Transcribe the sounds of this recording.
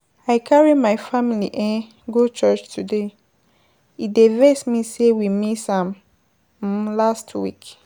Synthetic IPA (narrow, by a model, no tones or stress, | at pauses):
aɪkʰaɹimaɪfamiliʔɛ̃ | ɡot͡ʃɜt͡ʃtʰude | idevɛsmisewimisãm̩ | lastʰwḭk